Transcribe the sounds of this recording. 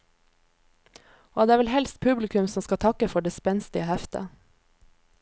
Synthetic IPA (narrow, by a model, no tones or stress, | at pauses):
ʔoːd̪eːæːʋɛlhɛlst̪̚pʰʉblɪkʉmsɔmskɑt̪ʰɑkəfɔɖeːspɛnst̪ɪəhɛft̪ə̰